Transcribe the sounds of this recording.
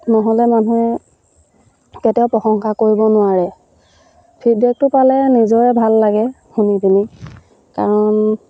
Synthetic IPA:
nɔɦɔlɛmanu | ketɛjɔʊpɹɔxɔŋxakoɹibɔnʊaɹɛ | pʰibɛk̚tʊpalɛnizɔɹɛbʱalːaɡɛ | xunibini | kaɹɔn

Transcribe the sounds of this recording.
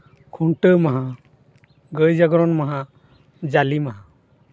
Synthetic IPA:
kʰuɳʈəmaɦã | ɡəjd͡ʒaɡɾɔnmaɦã | d͡ʒalimaɦã

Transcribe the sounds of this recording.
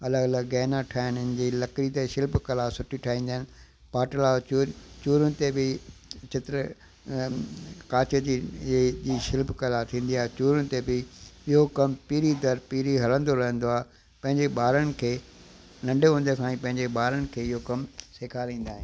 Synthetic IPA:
ɐləɡɐləɡːɛːnãʈʰaːɪnɪʊnɪ̆d͡ʑiːlɐkɾit̪eʃɪlpkɐlasʊʈʰiʈʰaːɦĩːnd̪aːɦɪn | paːʈəlaːuːt͡ɕuːɾʊnɪ̆t̪ebɪt͡ɕɪt̪ɾə | kaːt͡ɕəd͡ʑid͡ʑiːʃɪlpkɐlat̪ʰĩːn̆d̪iaːɦet͡ɕuːɾʊnɪ̆t̪ebɪɪɦokɐmpiːɾid̪ɐɾpiːɾiɦɐlə̃nd̪oɾɐɦə̃nd̪oaːɦe | pɐ̃ɦɪ̃ɲd͡ʑeɓaːɾəɽ̃ɪ̆kʰeː | nɐ̃ɳɖʱeɦʊ̃nd̪ekʰãːĩpɐ̃ɦɪ̃ɲd͡ʑeɓaːɾəɽ̃ɪ̆kʰeːɪɦokɐmseːkʰaɾĩːn̆d̪aːɦɪ̃n

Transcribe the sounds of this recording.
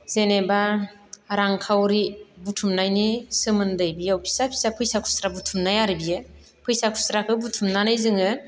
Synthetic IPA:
zeneba | ɾaŋkʰawɾibutʰumnajnisɯmɯndɯjbijawpʰi̥sapʰi̥sapʰɯjsakʰu̥sɾabutʰumnajaɾibijɯ | pʰɯjsakʰu̥sɾakʰɯbutʰumnanajzɯŋɯ

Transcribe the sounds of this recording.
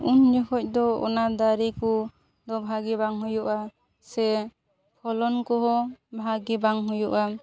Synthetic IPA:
und͡ʒɔkɔc̚ˀd̪ɔɔ̰nad̪aɾiku | d̪ɔbʱaɡɛbaŋɦujɔʔa | sɛ | pʰɔlɔnkɔɦɔbʱaɡibaŋɦujɔʔa

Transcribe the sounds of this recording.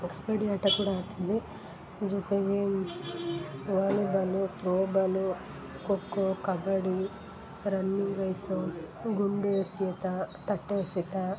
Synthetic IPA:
kɐbɐɽiɐʈɐkuːɽaɾt̪ʰud̪i | d͡ʒuteje | ʋaːlibɐlut̪ɾoːbɐlu | kokːokɐbɐɽi | ɾɐnːiŋɡʋɐjsɐɡuɳɖeset̪ɐt̪ɐʈːeːsit̪a

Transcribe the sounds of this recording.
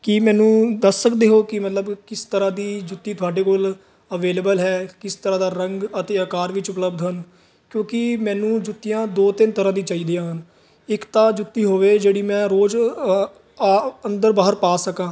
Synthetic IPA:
kɪmɛ̃ːnũːd̪əsːəkd̪eːɦoːkɪmət̪ləbkɪst̪əɾãːd̪iːd͡ʒʊt̪ːiːt̪ʰʊaːɖeːkoːl | əʋeːleːbəlɦɛːkɪst̪əɾãːd̪aːɾəŋɡət̪eːəkaːɾʋɪt͡ʃʊpləbd̪ɦən | kjõːkɪmɛ̃ːnũːd͡ʒʊt̪ːijãːd̪oːt̪ɪnt̪əɾãːd̪iːt͡ʃaːiːd̪eãːɦən | ɪkt̪ãːd͡ʒʊt̪ːiːɦoːʋeːd͡ʒeːɽiːmɛ̃ːɾoːd͡ʒ | ənd̪əɾbaːɦəɾpaːsəkãː

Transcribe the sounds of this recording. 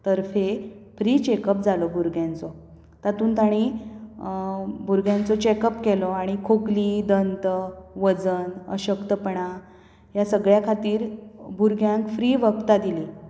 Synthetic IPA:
t̪əɾfefɾiːt͡ɕekəp̚d͡zalɔbʱuɾɡjãnt͡sɔ | t̪at̪uːnt̪aɽ̃i | bʱuɾɡjãnt͡sɔt͡ɕekəpkelɔaɽ̃ikʰoklid̪ənt̪əʋəd͡zənə̰ɕəkt̪əpəɳa | jasəɡɭjakʰat̪iːɾbʱuɾɡjãŋkfɾiːʋəkt̪ad̪ile

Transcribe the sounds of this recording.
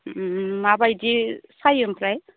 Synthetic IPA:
mabajdisajɯmpɾaj

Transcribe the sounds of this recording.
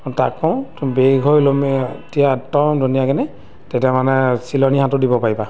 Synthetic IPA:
takːɔw̃tbeɡʱɔjlomietijatːɔmdʱunijakɛnɛ | tetiamanɛsilɔniɦãtʊdibɔpaɹiba

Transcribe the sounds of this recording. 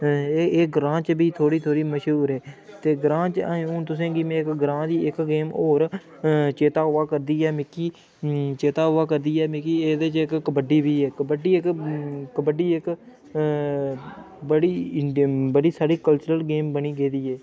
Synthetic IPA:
eːɡɾãːt͡ʃbiːt̪ʰoːɽiːt̪ʰoːɽiːməʃɦuːɾɛː | t̪eːɡɾãːt͡ʃaːũːt̪ʊs̬ẽːɡiːmẽːɪkɡɾãːd̪iːɪkɡeːmoːɾ | t͡ʃeːt̪aːɦoːaːkəɾd̪iːɛːmɪkiː | t͡ʃeːt̪aːɦʊːaːkəɾd̪iːɛːmɪkiːeːd̪eːt͡ʃɪkːəbəɖiːbiːɛːkəbəɖiːɪkkəbəɖiːɪk | bəɽiː | bəɽiːsaːɽiːkəlt͡ʃɾəlɡeːmbəniːɡeːd̪iːɛː

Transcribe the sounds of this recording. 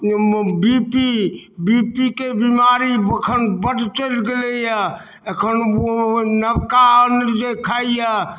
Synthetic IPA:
bipi | bipikebimaɾiəkʰənbəʈʰt͡ʃəlɡelejə | əkʰənonəbkaənɾd͡ʒekʰaijə

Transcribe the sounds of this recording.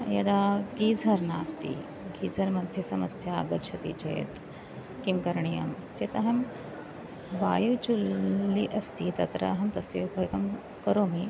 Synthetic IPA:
jɐd̪aːɡiːd͡zʱɐɾnaːst̪ḭː | ɡiːd͡zʱɐɾmɐd̪ʱʰjisɐmɐsjaːɡɐɾt͡ʃʰɐt̪ḭːt͡ʃɐ̰j̰t̪ | kimkɐɾɳijɐ̰m | t͡ʃet̪ɐɦɐm | baːjut͡ʃulːiʔɐst̪iːt̪ɐt̪ɾɐ̰ɦɐmt̪ɐsibɐjkɐm | kɐɾoːmi

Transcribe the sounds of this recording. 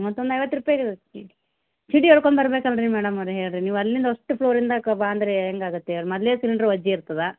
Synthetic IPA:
mɔt̪ːond̪ɐjʋɐt̪ːɾupːajaɡet͡ʃii | t͡ʃiɖiɔɽkoɳɖbɐɾɐbeːkɐlɾimɛːɽɐmɐʋɾeɦeːɭɾiniːʋɐlːind̪ɐɔʂʈːupʰɭoːɾind̪ɐkɐbaɐnd̪ɾeːŋɡaːɡut̪ːeɾmɐd̪leːsiliɳɖɐɾuʋɐd͡ʒːiiɾt̪ɐd̪a

